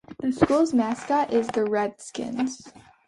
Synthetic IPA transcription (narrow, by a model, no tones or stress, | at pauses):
ðɨskulˠzmæskəʔɪzðɨɹɛd̥skɪ̰̃nz̥